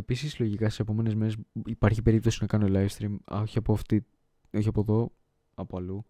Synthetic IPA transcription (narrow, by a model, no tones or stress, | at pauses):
episislo̞ʝikɐst̪se̞p̬o̞me̞ne̞zmeɾesipɐɾçipe̞ɾip̚t̪o̞sinɐkɐno̞lɐjfst̪ɾiːmoçiɐpoft̪i | oçiɐpoðo̞ | ɐpoɐlu